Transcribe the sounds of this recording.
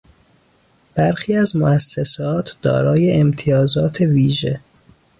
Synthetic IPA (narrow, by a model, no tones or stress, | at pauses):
b̥æɾxiːæzmoæsːesɒːt̪ʰd̪̥ɒ̰ːɾɒːje̞ːmt̪ʰijɒːzɒːt̪ʰe̞viːʒe̞̰